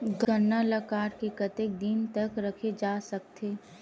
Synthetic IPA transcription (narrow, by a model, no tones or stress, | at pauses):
ɡʱənːaləkaːɾkekət̪ek̚d̪int̪əkɾɐkʰed͡ʒaːsɐkt̪ʰeː